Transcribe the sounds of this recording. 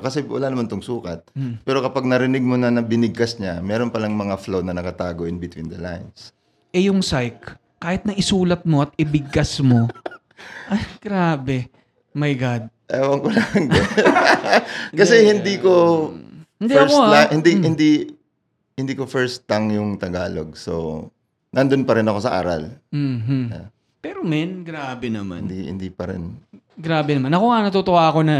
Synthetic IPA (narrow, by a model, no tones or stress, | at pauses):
kɐsɛwɐ̰laːnɐmant̪oŋsuːkɐt̪̚pɛːɾokɐpaɡ̚nɐɾɪnɪɡ̚monɐnɐbɪnɪɡ̚kɐsɲamɛːɾonpɐlaŋmɐŋaflownɐnɐkɐt̪aːɡoʔɪnbɪt̪wḭːnd̪ɐla̰jns | ʔɛjʊŋsajkː | aːhɪt̪̚nɐŋʔɪsuːlɐt̪̚mo̞ʔɐt̪̚ɪbɪɡkɐsmo̞ | ʔɐjɡ̥ɾaːbɛ | mɐjɡad̪̚ʔawɐŋkolaŋɡɛ | kɐsɛhɪnd̪iko | hɪnd̪iɐkoahɪnd̪ihɪnd̪i | hɪnd̪iːkofɛɹst̪aŋjʊŋt̪ɐɡaːlo̰ɡ̚so̰ | nɐnd̪onpɐɾɪnɐko̞sɐʔa̰ːɾɐ̰lm̩ːm̩a̰ | pɛɾomɛnɡɾaːbɛnɐma̰nd̪ihɪ̰nd̪ipɐɾɪ̰n | ɡɾaːbɛnɐmanɐko̞ɐnɐt̪ot̪oʔaːɐko̞nɐ